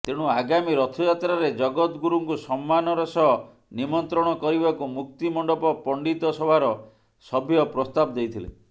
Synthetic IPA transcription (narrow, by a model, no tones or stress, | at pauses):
t̪eɽ̃uaɡamiɾɔt̪ʰɔjat̪ɾaɾed͡ʒɔɡɔt̪ɡuɾuŋkusɔmːanɔɾɔsɔɦɔ | nimɔnt̪ɾɔɽ̃ɔkɔɾibakumuk̚t̪imɔɳɖɔpɔpɔɳɖit̪ɔsɔbʱaɾɔ | sɔbʱjɔpɾɔst̪abɔd̪ejt̪ʰilḛ